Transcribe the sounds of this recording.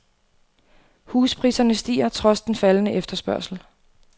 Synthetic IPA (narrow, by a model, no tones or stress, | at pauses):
huːspʰʁiːsɐnəsd̥ḭːɐt͡sʰʁɒ̽sd̥enfælənəʔefd̥ɐsb̥ɶɐsl̩